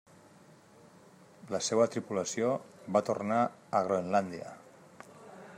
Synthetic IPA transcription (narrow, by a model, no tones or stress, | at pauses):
ləseβət̪ɾipuləsioβat̪orna | əɣ̞ɾoenland̪iə̰